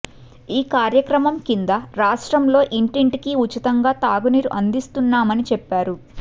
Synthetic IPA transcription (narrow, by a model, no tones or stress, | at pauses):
iːkaːɾjɐkɾɐmɐmkind̪ɐɾaːʂʈɾɐmlo̞ːʔiɳʈiɳʈikiut͡ʃːit̪ɐŋɡaːt̪aːɡuniːɾuʔɐnd̪ist̪unːaːmɐnit͡ʃɛpːaːɾu